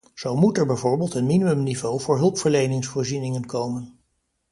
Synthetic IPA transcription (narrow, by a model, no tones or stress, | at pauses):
z̥owmutɛɹbɛjvʊːɹbeːlˠtənminimɵmnivowvʊːɹɦɵlˠpfəɹlejnɪŋsfʊːɹzinɪŋənkowmən